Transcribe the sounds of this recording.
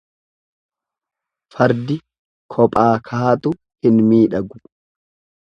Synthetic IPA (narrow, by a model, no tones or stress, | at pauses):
fɐɾd̪ɪ | kʰɔpʼaːkʰaːɐt̪ʊ | hɪnmiːᶑɐɡʊ